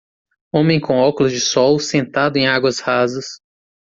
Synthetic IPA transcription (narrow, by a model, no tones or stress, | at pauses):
õmẽj̃kõɔkʊlʊzd͡ʒɪsɔwsẽnt̪ad̪ʊẽj̃aɡwɐshazɐs